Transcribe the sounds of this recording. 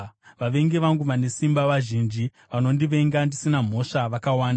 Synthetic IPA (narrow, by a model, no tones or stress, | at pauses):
ʋaʋe̞ŋɡe̞ʋaŋɡuʋane̞simbaʋaʒind͡ʒi | ʋano̞ndiʋe̞ŋɡandisinam̤o̞ʂaʋakawaːna